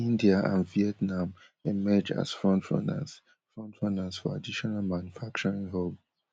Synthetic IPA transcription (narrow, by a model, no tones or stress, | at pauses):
ĩndiaã̰nviɛtnãm | emɛd͡ʒa̰sfɹɔ̃ntʰɹɔ̰̃na̰s | fɹɔ̃ntʰɹɔ̃nasfɔa̰diʃɔnalmãnjufak̚t͡ʃɔɹĩŋɦom